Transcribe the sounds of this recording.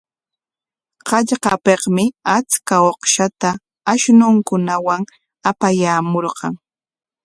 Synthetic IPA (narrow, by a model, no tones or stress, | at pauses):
qɑʎqɑpeqmɪat͡skaoqʃat̪a | aʃnʊŋkʊnawaŋ | apajaːmoɾqɑŋ